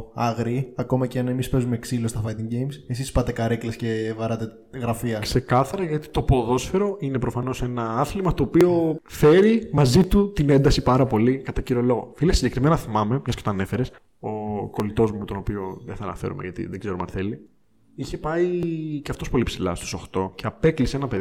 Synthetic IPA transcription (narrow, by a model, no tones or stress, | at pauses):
ɐɣɾiɐko̞mɐceɐne̞mispe̞zume̞ksilo̞st̪ɐfɐjt̪iɲɟe̞jmse̞s̬ispɐt̪e̞kɐɾeklesce̞vɐɾɐt̪e | ɣɾɐfiɐkse̞kɐθɐɾɐʝɐt̪i̥t̪o̞po̞ðo̞sfe̞ɾo̞ʔine̞pɾofɐno̞se̞nɐɐθlimɐt̪o̞ːpio̞fe̞ɾimɐzit̪ut̪ine̞nd̪ɐsipɐɾɐpo̞likɐt̪ɐciɾiolo̞ɣo̰filesiɲɟekɾime̞nɐθimɐme̞mɲɐscet̪oɐne̞fe̞ɾes | o̞ko̞lit̪o̞zmumet̪onopio̞ðeθɐːnɐ̰fe̞̰ɾṵmeʝɐt̪ḭðeɡzeɾumɐ̰nθe̞li | içe̞pɐiceɐft̪o̞spo̞lipsilɐ̰st̪u̥so̞xt̪o̞ceɐpe̞klisenɐpe̞